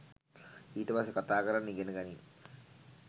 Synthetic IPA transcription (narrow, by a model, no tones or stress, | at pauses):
iːtəpasekat̪aːkəɾanːiɡenəɡænin